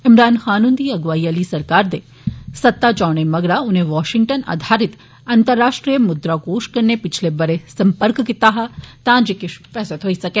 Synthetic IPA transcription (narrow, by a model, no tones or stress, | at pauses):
ɪmɾaːnxaːnʊ̃nd̪ʱiɐɡʋaːiəlisɐɾkaːɾd̪e | sɐt̪ːat͡ʃaːɽ̃emɐɡɾaʊnɦẽʋaːʃɪŋɡ̚ʈəna̰ːd̪ʱaːɾɪt̪ | ɐ̃nt̪əɾːaːʃʈɾijəmʊd̪ɾakoːʃkɐɾnepɪt͡ʃʰlebɐɾesɐ̃mpəɾkkɪt̪aɦat̪ãd͡ʒekɪʃfɛːsət̪ɦoːisɐkeː